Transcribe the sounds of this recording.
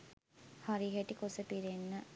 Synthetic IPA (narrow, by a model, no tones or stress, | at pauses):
haɾiɦeʈikosəpiɾenːə